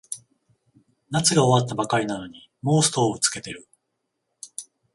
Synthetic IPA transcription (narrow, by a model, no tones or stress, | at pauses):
nat͡sɨɡao̞βat̪ːabakaɾʲinano̞ɲ̟i | mo̞ːsɨ̥t̪o̞ːot͡sɨ̥ke̞t̪e̞ɾɯ̟